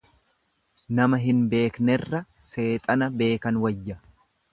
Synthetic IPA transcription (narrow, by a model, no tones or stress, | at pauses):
nɐmɐɦɪnbe̞ːknɛrːɐse̞ːt̪ʼɐnɐbe̞ːkɐnwɐjːɐ